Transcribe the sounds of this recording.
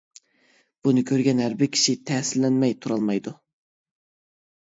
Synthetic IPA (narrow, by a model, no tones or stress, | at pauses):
b̥unɨkʲʰøɾɡʲɛnɦæɾbɪɾkʲʰi̥ʃit̪ʰɛːsɪlːɛnmɛjt̪ʰuɾɑlˠmɑjd̪u